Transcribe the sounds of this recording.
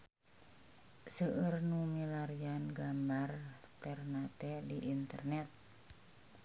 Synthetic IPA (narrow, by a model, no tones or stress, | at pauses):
səʔərnumilaɾianɡambart̪ɛrnat̪ɛdiʔint̪ərnɛt̪̚